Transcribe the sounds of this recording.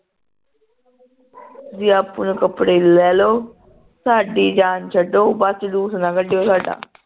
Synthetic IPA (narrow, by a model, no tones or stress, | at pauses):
zɪjaːpʊnkəpɽeːlɛːloː | saːɖiːd͡ʒaːnt͡ʃʰəɖoːbəsluːsnãːkəɖejoːsaːɖa̰ː